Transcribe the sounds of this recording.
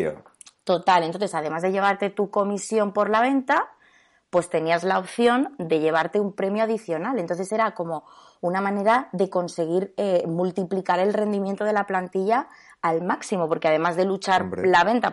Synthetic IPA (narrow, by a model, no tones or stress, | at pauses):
t̪o̞t̪alent̪o̞nθ̬e̞sað̞e̞mazðe̞ʝe̞β̞aɾt̪e̞t̪uko̞misjo̞mpo̞ɾlaβ̞e̞nt̪a | pwe̞st̪e̞niazlao̞pθjo̞nd̪e̞ʝe̞β̞aɾt̪e̞umpɾe̞mjoaðiθjo̞nalent̪o̞nθe̞seɾako̞mo̞ | unamãne̞ɾaðe̞ko̞nse̞ɣ̞iɾemult̪iplikaɾe̞lre̞nd̪imje̞nt̪o̞ð̞e̞laplant̪iʎaː | lmaksimo̞po̞ɾke̞að̞e̞mazðe̞lut͡ʃaɾlaβ̞e̞nt̪a